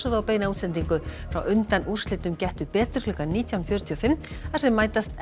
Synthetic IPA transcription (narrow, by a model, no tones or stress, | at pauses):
sʏðaawpeɣnauːt̪slɛnt̪iŋkʏfɾa̰wʔʏnt̪anʔur̥slɪt̪ʏmcɛht̪ʏpɛːt̪ʏɾ̥klʏːkaniːt̪ʰjawnfjœɾʏt̪ʰiɔfɪmː | θaɾsɛmːaːjt̪ast̪